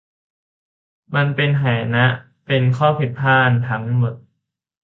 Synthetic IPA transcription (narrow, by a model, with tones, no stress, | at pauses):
ma˧npe˧nɦaː˩˦jna˦˥ʔ | pe˧nkʰɔː˥˩pʰi˨˩t̪̚pʰaː˥˩nt̪ʰa˦˥ŋ˧˩mo˨˩t̪̚